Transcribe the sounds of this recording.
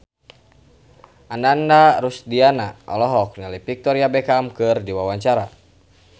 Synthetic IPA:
anandaɾusdianaɔ̰lɔɦɔk̚nalipik̚t̪ɔɾiabɛkamkɨrdiwawaɲt͡ʃaɾa

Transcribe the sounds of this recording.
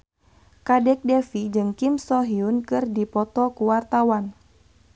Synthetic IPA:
kadɛk̚dɛfid͡ʒɨŋkimsɔɦiunkɨrdipɔt̪ɔkuwart̪awan

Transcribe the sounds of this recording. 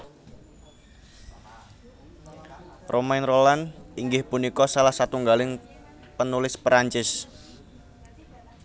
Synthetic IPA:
rʔomaɪnrolaniŋɡɪhpunikɔsalahsat̪uŋɡalɪŋ | pənulɪspɾaɲt͡ʃɪs

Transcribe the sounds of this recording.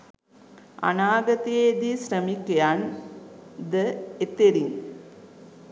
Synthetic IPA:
a̰naːɡɐt̪eeːd̪isɾəmikejan | d̪əet̪eɾiŋ

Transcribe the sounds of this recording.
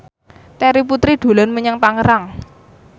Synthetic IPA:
t̪ɛɾip̬ut̪ɾiɖ̪̥o̤lanməɲaŋp̪aŋəɾaŋ

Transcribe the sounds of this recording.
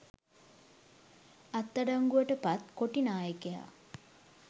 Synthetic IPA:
at̪ːaɖaŋɡuʋəʈəpat̪koʈinaːjəkeja̰

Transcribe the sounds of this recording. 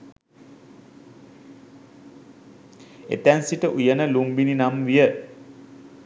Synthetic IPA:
ḛt̪ænsiʈəʔujənəlumbininamʋijə

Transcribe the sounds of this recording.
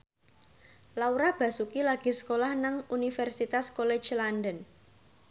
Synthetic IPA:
lauɾab̥ä̤sukilaɡ̥i̤sə̥kolahnaŋunifɛrsit̪askolɛ̥d͡ʒlandən

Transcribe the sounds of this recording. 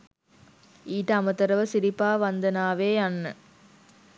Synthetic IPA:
iːʈːɐːmɐt̪ːɐɾɐʋɐsɪɾɪpːaːʋɐnd̪ɐnaːʋeːɐnːɯ

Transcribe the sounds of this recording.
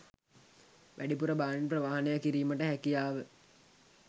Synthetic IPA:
ʋʔæɖipuɾəbaːninprəʋaɦɐnejakiɾiːməʈəɦækijaːʋə

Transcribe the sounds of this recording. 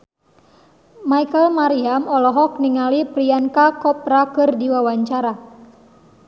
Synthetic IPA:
majkəlmaɾiamɔlɔɦɔk̚niŋalipɾiankakɔp̚ɾakɨrdiwawaɲt͡ʃaɾa

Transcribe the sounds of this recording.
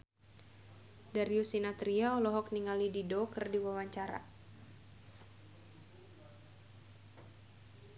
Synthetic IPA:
daɾiusinat̪ɾiaɔlɔɦɔk̚niŋalididokərdiwawaɲt͡ʃaɾa̰

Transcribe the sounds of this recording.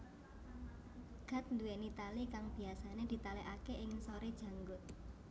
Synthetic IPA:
ɡ̥a̤t̪̚nd̪uwenit̪alikaŋb̥i̤asaned̪̥i̤t̪aleʔakeʔɪŋsoɾed̥ʒ̥ä̤ŋɡʊt̪̚

